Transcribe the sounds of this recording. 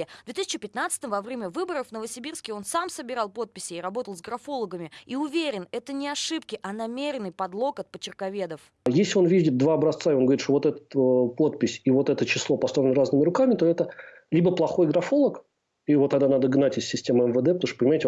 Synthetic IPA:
d̪vʲet̪ɨisʲɪ̥t͡ɕɪpʲɪt̪nat̪sɨ̥t̪əmvɐvɾʲemʲəvɨbəɾəfnəvəsʲɪbʲirskʲɪo̞nsamsəbʲɪɾalˠpo̞t̪̚pʲɪsʲɪːɾɐbo̞t̪əlˠzɡɾɐfo̞lˠəɡəmʲɪiʊvʲeɾʲɪnɛt̪ənʲɪɐʂɨpkʲɪʔɐnɐmʲeɾʲɪnːɨjpɐd̪lˠo̞kɐt̪̚pət͡ɕɪrkɐvʲe̞d̪əf | jesʲlʲɪo̞nvʲidʲɪt̪̚d̪vaːbɾɐst̪saɪonɡəvɐɾʲit̪ʂt̪ovot̪ɛt̪ə̥t̪po̞t̪̚pʲɪsʲivo̞t̪ɛt̪ət͡ɕɪslˠo̞pɐst̪ɾoɪnəɾaznəmʲɪɾʊkamʲɪt̪o̞ɛt̪ə | lʲibəplˠɐxo̞jɡɾɐfo̞lˠək | ivot̪ːɐɡ̚d̪anad̪əɡnatʲɪsʲsʲɪsʲtʲe̞məɛmvəd̪ɛpət̪oʂt̪əpənʲɪmajɪtʲ

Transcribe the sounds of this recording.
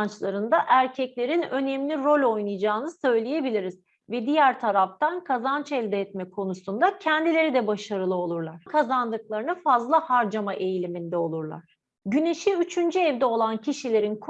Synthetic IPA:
nt͡ʃlˠaɾɯnd̪aʔæɾcʰɛclʲe̞ɾinø̞nɛmlʲiɾo̞lʲo̞jnujd͡ʒaːnɯsø̞jlʲeje̞bilʲiɾiz | vɛd̪ijæɾt̪ʰaɾaft̪ankʰazant͡ʃʰɛlʲd̪ɛɛt̪̚mɛkʰo̞nusund̪acʰɛnd̪ilʲe̞ɾid̪ɛbaʃaɾɯlˠɯo̞lˠuɾlˠaɾ̥kʰazand̪ɯklˠaɾɯnɯfazlˠahaɾd͡ʒamaʔe̞jilʲimind̪ɛo̞lˠuɾlˠa̰ɾ̥ | ɟyne̞ʃiyt͡ʃʰynd͡ʒyɛvd̪ɛo̞lˠanciʃilʲe̞ɾinkʰ

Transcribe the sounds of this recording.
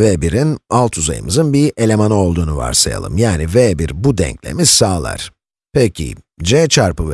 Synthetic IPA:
vebiɾinalˠt̪ʰuza̰jɯ̰mɯzɯnbiʔe̞lʲe̞manao̞lˠd̪uːnuva̰ɾsaja̰lˠɯ̰mjaːnivebiɾbud̪ɛ̰ɲclʲe̞̰miz̥saːlˠa̰ɾ̥ | pʰɛcʰḭ | d͡ʒɛt͡ʃʰaɾpɯv

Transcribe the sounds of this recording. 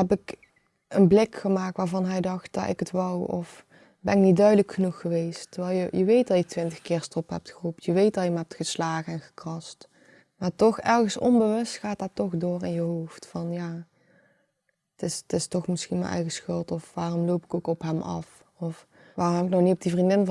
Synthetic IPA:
ɦɛpɪk | ənblɪkxəmaːk̚tʋaːɹvɑnɦɛjdɑxt̚dɑ̰tɪ̰kətʋɑwɔ̰f | bɛnɪknit̚dœɥdələkxənuxəʋejstərʋɛlˠjəjəʋejt̚dɑjətʋɪntəxkɪːrstɔpɦɛ̰p̚txərupjəʋejt̚dɑlˠjəmaːɦɛp̚txəslaːɣəɛnɣə̥krɑst | maːɹtɔxɛrɣəsɔ̰nbəʋɵstxaːtdaːtɔxdoːrɪ̰njəɦowftfɑnjaː | ətɪstɪstɔxmɪsxinmə̰nʔɛ̰jɣəsxɵlˠtɔfʋaːrɔmlowpɪ̥kowkɔpɦɛmʔɑ̰f | ɔf | ʋaːrɔmɦɛpɪk̚nɔxnitɔb̚divrindɪn

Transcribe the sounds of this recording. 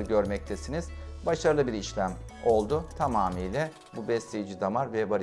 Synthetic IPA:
ɯɟø̞ɾmɛc̚t̪ʰesiniz̥baʃaɾɯlˠɯbiɾiʃlʲæmo̞lˠd̪ʊt̪ʰamaːmijlʲɛ | bubɛslʲejid͡ʒid̪amaɾvɛbaɾ

